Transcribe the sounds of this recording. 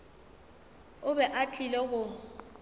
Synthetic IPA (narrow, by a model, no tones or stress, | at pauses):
ʊbɛʔat͡ɬʰʼilɛɣʊ